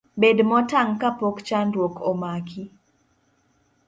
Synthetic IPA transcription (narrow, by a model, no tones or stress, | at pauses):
bedmɔtaŋkapɔkt͡ʃanɾwokɔmakʰi